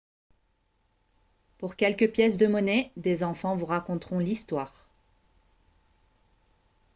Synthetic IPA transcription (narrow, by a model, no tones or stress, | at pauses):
puʁkʲɛlkʲəpjɛs̬d̪əmɔnɛd̪ezɑ̃fɑ̃vuʁakɔ̃t̪χɔ̃list̪waːʁ